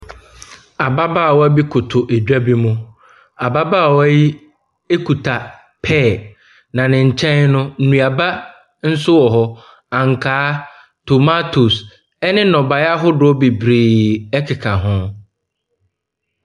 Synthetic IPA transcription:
a˨ba˦baː˦˨wɔ˦æ˦bi˦kʰʊ˨tʰʊ˨ʔe˨d͡ʑᶣa˦bi˦mʊ̃˦ | a˨ba˦baː˦˨wɔ˦æ˦ji˦ | e˦kʰu˨tʰa˨ | pʰɛ˦˨ | nã˨nɪ̃˨ɲ̩˨t͡ɕʰɛ̃˦nnʊ̃˦n̩˨nũ˨a˨ba˦ | n̩˦sʊ˦wɔ˨ɦɔ˦ | ã˨ŋ˨kʰaː˦ | tʰo˨ma˦tʰu˨s | ɛ˦nɪ̃˦nɔ̃˨ba˨ja˦ɦʊ˦dʊ˨˦ɔ˦bi˨bɾiː˨ɛ˦kʰɪ˨kʰa˨ɦʊ̃˦

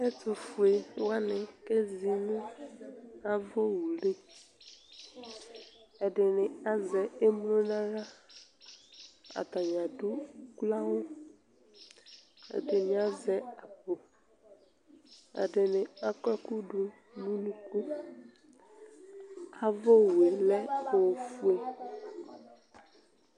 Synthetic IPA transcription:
ɛ˦t̪u˨fu˨e˨wa˦nɪ̃˨ke˦zi˨nũ˦ | a˦vɔ˦wu˨le˦ | ɛ˨ɖɪ˨nɪ̃˨a˦zɛ˨e˦mlo˦nã˦ɾa˦ | a̰˨t̪a˨ɲã˨du˦kla˦wo˦ | ḛ˨ɖe˨n˨a˦zɛ˦a˨bo˨ | a̰˨ɖe˨nɪ̃˨a˦kɛ˦ku˦ɖu˨ | nũ˦nũ˦ku˦ | a˦vɔ˦wu˨e˨lɛ˦o˨wfu˦e˦

